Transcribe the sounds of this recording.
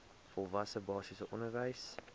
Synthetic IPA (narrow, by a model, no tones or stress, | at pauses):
fɔlˠvɐsəbɑːsisəʔɔnərvəjs